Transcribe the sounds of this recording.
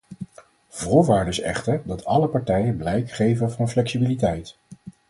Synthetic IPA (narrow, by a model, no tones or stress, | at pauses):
v̥ʊːɹʋaːɹdəɪsɛ̰χtəɹdɑtʰɑləpɑɹtɛjəblɛjkχejvənvɑnflɛksibilitɛjt